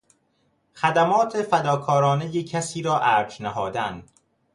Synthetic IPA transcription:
xæd̪æmɒːt̪ʰefæd̪ɒːkʰɒːɾɒːne̞jecʰæsiːɾɒːʔæːɾd͡ʒnæɦɒːd̪æn

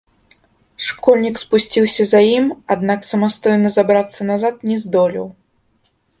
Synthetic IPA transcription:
ʂkɔlʲnʲikspusʲt͡sʲiwsʲɐzajimad̪naksɐmast̪ɔjnɐzabɾat̪sːɐnazat̪̚nʲɛzd̪ɔlʲḭw

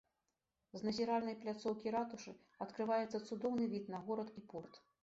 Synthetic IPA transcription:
znɐzʲiɾalʲnɐjplʲat̪sɔwkʲiɾat̪uʂɨ | ɐt̪kɾɨvajɛt̪sːɐt̪sud̪ɔwnɨvʲit̪nɐɣɔɾɐt̪ipɔrt̪

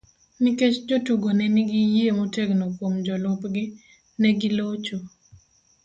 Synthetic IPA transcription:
niket͡ʃd͡ʒotuɡonɛnɪɡijemoteɡnokwomd͡ʒɔlʊpɡɪ | nɛɡɪlot͡ʃo

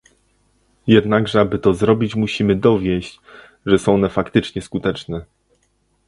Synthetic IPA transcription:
jɛd̪naɡʐɛabɘt̪ɔzɾɔbʲit͡ɕmuɕimɘd̪ɔvʲjɛɕt͡ɕ | ʐɛsɔ̃w̃nɛfakt̪ɘt͡ʂɲɛskut̪ɛt͡ʂnɛ

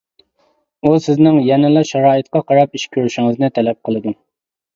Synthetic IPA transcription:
usɪznɪŋjɛnɪlˠɑʃɑɾɑːjɨt̪qɑqʰɑɾɑp̚iʃkʲʰøɾyʃiŋɨznɪt̪ʰɛlɛp̚qʰəlˠɨd̪u

